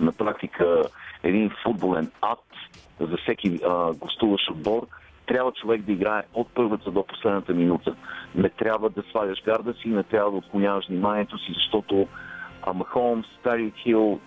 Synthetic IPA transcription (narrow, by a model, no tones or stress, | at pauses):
nɐpɾak̚t̪ikʰəɛd̪infud̪̚bolɛnat̪zɐfsɛk̟iɡlˠɐst̪uvəʃod̪̚bɔɾ | t̪ɾʲabvət͡ʃovɛɡd̪ɐiɡɾaɛot̪̚pɤɾvət̪əd̪opo̥slɛd̪nət̪əminut̪ənɛt̪ɾʲabvəd̪ɐsvadʲəʃvʲjaɾd̪əsiːnɛt̪ɾʲabvəd̪əoːt̪̚koɲʲavəʃvnimaniɛt̪osizɐʃt̪ɔt̪oɐ̰mɐxɔmst̪aɾixilˠ